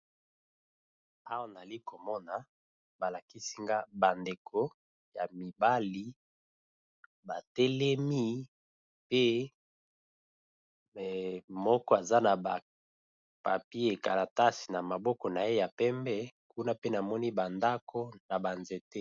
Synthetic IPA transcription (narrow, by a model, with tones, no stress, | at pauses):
a˦wa˦˨na˨li˦ko˨mɔ˦na˨ | ba˨la˨ki˦si˦ŋɡa˦ba˨nde˨kʰo˦ | ja˨mi˨ba˦li˦ | ba˨tɛ˦lɛ˦mi˦ | pe˦ | mɔ˦kɔ˦a˨za˦na˨ba˨ | pa̰˨pi˦e˦e˨ka˨la˨ta˦si̥˨na˨ma˨bɔ˦kɔ˨na˨e˦ja˨pɛ˦mbɛ˦ku˦na˦pe˦na˨mɔ˦ni˦ba˨nda˦kʰo˦na˨ba˨nze˨te˦